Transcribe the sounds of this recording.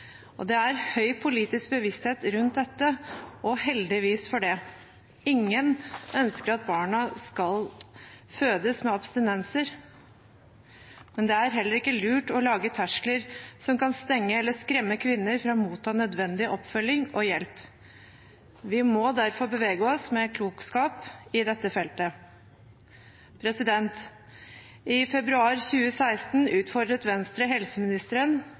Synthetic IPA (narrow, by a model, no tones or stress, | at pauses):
ɔ̰d̪ɛæɾhœʏpʰʊliːt̪ɪsk̚bəʋɪst̪heːt̪ɾʉnt̪̚d̪ɛt̪ːəʔɔhɛld̪ɪʋiːsfɔɖɛ | ɪŋːənœnskəɾɑt̪̚bɑːɳɑskɑl | føːd̪əsmɛɑbst̪ɪnɛnsəɾ | mɛnd̪ɛæɾɦɛlːəɾɪkːəlʉːʈɔlɑːɡət̪ʰæʂləɾsɔmkɑnst̪ɛŋːəɛlːəskɾɛmːəkʰʋɪnːəɾfɾɑmuːt̪ʰːɑːnœd̪ʋɛnd̪ɪʔɔpːfœlːɪŋʔɔjɛlp | ʋɪmɔd̪æɾfɔɾbəʋeːɡəɔsmɛːkʰluːkskɑːpɪd̪ɛt̪ːəfɛlt̪ə | pʰɾɛsɪd̪ɛnt̪ | ʔɪfɛbɾʉɑːɾçʉːəsæɪst̪n̩ʉːt̪fɔɖ̪ɾət̪ʋɛnst̪ɾəɦɛlsəmɪnɪst̪əɾən